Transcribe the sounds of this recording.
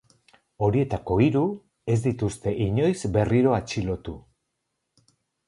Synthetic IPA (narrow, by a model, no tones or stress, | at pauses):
o̞ɾie̞t̪ako̞iɾu | e̞zd̪it̪ust̪e̞ʔiɲo̞jzbe̞riɾo̞at͡ʃilo̞t̪u